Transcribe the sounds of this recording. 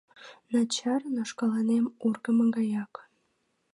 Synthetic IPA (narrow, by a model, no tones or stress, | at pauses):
nɑt͡ɕɑrnoʃkɑlɑnemurɣə̆mə̆ŋɡɑjɑk